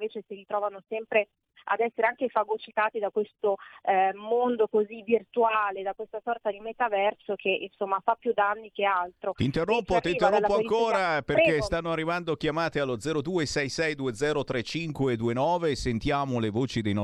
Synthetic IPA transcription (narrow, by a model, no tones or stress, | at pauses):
veːt͡ʃesiɾit̪ɾɔːvanosɛmpɾe | a̰d̪ɛsːeɾeaŋkefaɡot͡ʃit̪aːt̪id̪akwest̪o | mond̪okozivirt̪uaːled̪akwest̪asɔrt̪ad̪imet̪avɛrsokʰeʔinsomːafapːjud̪ːanːikealt̪ɾot̪int̪erːompːot̪int̪erːolpːoakoːɾapekesst̪anːoarːivand̪ok̟jamaːt̪ealːod̪zɛːɾod̪uːesɛjsɛjd̪ued̪zɛːɾot̪ɾet͡ʃiŋkwed̪uːenɔːvesent̪jaːmolevoːt͡ʃid̪ejnɔ